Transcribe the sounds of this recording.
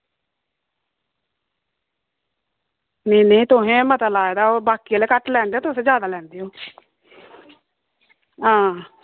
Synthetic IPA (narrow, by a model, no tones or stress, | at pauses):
neːnẽit̪ʊɦẽːmət̪alaːed̪aːoːbaːkialeːkəʈlɛːnd̪eaːt̪ʊsẽːd͡ʒjaːd̪aːlɛ̃ːnd̪eːoː | ɦãː